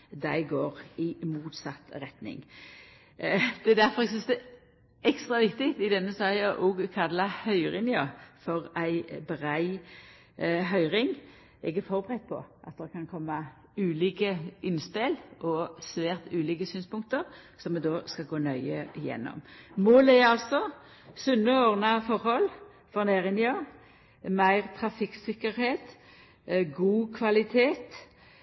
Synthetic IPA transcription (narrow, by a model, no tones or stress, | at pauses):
d̪æɪɡoːʁɪmuːt̪sɑt̪ːʁɛt̪nɪ̰ŋ | d̪̥ɛd̪æɾfɔʁɛɡsʏnsd̪ɛ | ɛkst̪ʁɑʋɪkt̪ɪkt̪ɪd̪ɛnːəsɑːɑʔoːɡkʰɑd̪lɑhœʏʁɪnjɑfɔʁæɪbɾæɪ | ɦœʏɾɪŋ | ʔɛɡæɾfɔɾbəʁɛt̪̚pʰɔ̰ʔɑt̪̚d̪ɛkʰɑnkʰɔmːɑ | ʉːliːkəɪnspɪlʔɔsʋæːʁt̪ʉːliːkəsyːnspʊŋkt̪əʁ | sɔmːɛd̪oːskɑlɡoːnœʏəɪjɛ̰nːɔ̰mmoːlæʁɑlsɔ | sʉnːəɔʁnɑfɔɾhɔl | fɔʁneːʁɪnɪo | mæɪʁt̪ʰʁɑfɪksɪkːəɾheːt̪ | ɡuːkʰʋɑlɪt̪ʰeːt̪